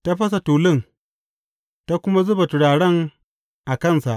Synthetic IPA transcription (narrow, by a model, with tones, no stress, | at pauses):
ta˦ɸɐ˦s̬a˨tuː˨lɪ˦˨ŋ | ta˦kʷʊ˦ma˦zʊ˦ba˨tʊ˨ɽaː˨ɽɐ˦ŋ | ʔa˨kɐ˦˨nsa˨ʔ